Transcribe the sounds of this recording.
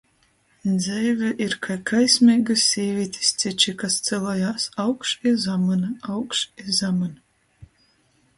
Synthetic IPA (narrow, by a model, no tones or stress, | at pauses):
d̪zɛjvʲɛʔiɾkʰajkʰajsʲmʲɛːɡɨsʲːiːvʲiɛt̪ʲi̥st̪sʲit͡ʃikast̪sɛlˠɔːjaːsawkʃizamɨnɨawkʃizamɨn